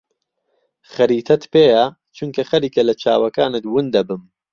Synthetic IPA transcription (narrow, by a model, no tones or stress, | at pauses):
xɐɾiːt̪ʰɐt̪peːja | t͡ʃʰuŋkʰɐxɐɾiːkɐlɐt͡ʃʰaːwɐkaːnɨt̪wɨnd̪ɐbɨm